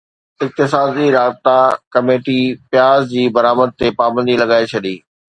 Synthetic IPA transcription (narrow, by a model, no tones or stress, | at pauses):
ɪk̚t̪ɪsaːd̪iɾaːbɪt̪akɐmeːʈipjaːzd͡ʑiːbɐɾaːməd̪̚t̪epaːbə̃nd̪ilɐɡaːet͡ɕʰɐɗiː